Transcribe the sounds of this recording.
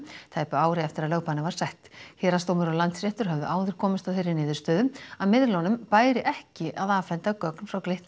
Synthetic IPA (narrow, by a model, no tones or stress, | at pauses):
t̪ʰaːjpʏaːwɾɪɛft̪ɪɾaðlœːwpaanːɪvaɾ̥sajht̪hɛːɾast̪oːwmɪɾɔɣlant̪sɾɛht̪ʏɾ̥ɦœvðʏ̰ʔaːwðɪɾ̥kʰɔːmɪst̪awθejɾːɪnɪːðʏɾst̪œːðʏmaðmɪðlɔwnʏmpaːjɾɪʔɛhcɪʔaðaːvfɛnt̪akœknfɾawklejht̪n